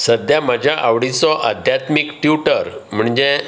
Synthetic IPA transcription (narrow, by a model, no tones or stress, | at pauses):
səd̪jaməd͡ʑʱjaʔaʋɽit͡sɔʔəd̪ʱjat̪mikʈjuʈəɾm̤əɳd͡ʑe